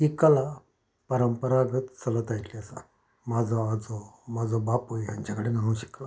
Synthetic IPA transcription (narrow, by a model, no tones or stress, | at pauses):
ɦikəla | pəɾəmpəɾaɡət̪t͡sələt̪ajt̪liəsa̰ | mad͡zʱɔad͡zomad͡zʱɔbapojɦjaɲt͡ɕakəɽenaɦə̃wɕə̥kla